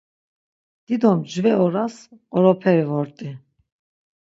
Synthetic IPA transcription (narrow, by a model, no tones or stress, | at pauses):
d̪̥id̪ɔmd͡ʒvɛɔɾasqɔɾɔpʰɛɾivɔɾt̪ʼi